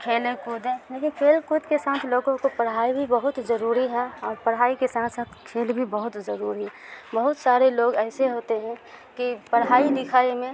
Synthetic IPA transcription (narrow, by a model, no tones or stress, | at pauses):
kʰeːlẽkud̪ẽleːkɪnkʰeːlkud̪kesaːt̪ʰloːɡõkopəɽɦaːibʱibəɦʊt̪zəɾuːɾiɦɛɔːɾpəɽɦaːikesaːt̪ʰsaːt̪ʰkʰeːlbʱibəɦʊt̪zəɾuːɾiɦɛbəɦʊt̪saːɾeloːɡɛːseɦoːt̪eɦɛ̃kipəɽɦaːid̪ɪkʰaːimẽ